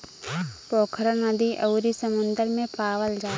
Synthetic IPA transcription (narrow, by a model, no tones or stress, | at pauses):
poːkʰɾənəd̪iʔəwɾisəmʊ̃nd̪əɾmẽpaːʋəld͡ʒaː